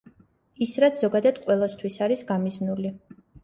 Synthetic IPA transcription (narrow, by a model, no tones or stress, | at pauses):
isɾat̪sʰz̥ɔɡad̪ad̪qʼwɛlˠast̪ʰwisaɾisɡamiznuli